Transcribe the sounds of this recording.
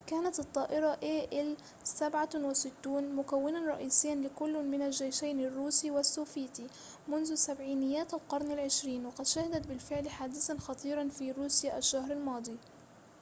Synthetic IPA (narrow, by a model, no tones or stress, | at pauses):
kaːnat̪t̪ˤːɑːʔɪɾˤɑʔeːʔɪl | sabʕawɪsɪt̪ːuːnmʊkawːɪnanɾˤɑ̰ʔiːsɪjːanlɪkʊlːmɪnalʒeːjʃajnarːuːsiwɪsːuːfiːt̪i | mʊnðʊsabʕiːnɪjːaːt̪alqɑɾˤnalʕɪʃɾiːnwɪqɑd̪ʃahɪd̪at̪bɪlfɪʕlħaːd̪ɪθanxɑt̪ˤiːɾˤɑnfiɾuːsjaːʔaʃːahɾˤalmɑːd̪ˤi